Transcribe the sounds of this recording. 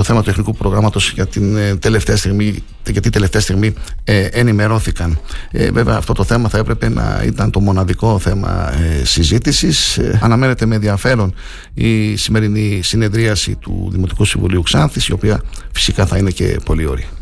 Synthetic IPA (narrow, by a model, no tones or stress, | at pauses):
t̪o̞θe̞mɐt̪ue̞θnikupɾo̞ɣɾɐmɐt̪o̞sʝɐt̪ind̪eleft̪eɐst̪iɣmi | ʝɐt̪id̪ele̞ft̪eɐst̪iɣmiʔenime̞ɾo̞θikɐnḛve̞veɐːft̪o̞t̪o̞θe̞mɐθɐe̞pɾe̞pe̞nɐ̰ḭt̪ɐnt̪o̞mo̞nɐðiko̞θe̞mɐ̰sizit̪isisɐnɐme̞ne̞t̪e̞me̞nðiɐfe̞ɾo̞n | isime̞ɾinisine̞ðɾiɐsḭt̪ṵðimo̞t̪i̥kusiɱvuliuksɐnθisio̞piɐfi̥sikɐθɐine̞ce̞̰po̞lio̞̰ɾi